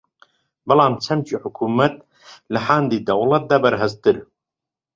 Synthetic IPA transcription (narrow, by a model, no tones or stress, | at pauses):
bɨlaːmt͡ʃʰɐmt͡ʃiħʊkʰuːmɐt̪̚ | lɨħand̪iːd̪ɐwlɐt̪̚d̪aːbɐɾɦɛzt̪ɨɾ